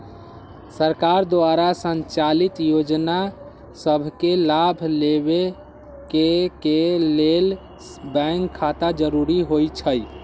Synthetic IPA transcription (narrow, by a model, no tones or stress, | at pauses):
səɾkaɾd̪oaɾasənt͡ʃalit̪jod͡ʒna | səbʱkelabʱleβe | kekelel | bɛŋkʰːat̪ad͡ʒəɾuɾiɦojt͡ʃʰəj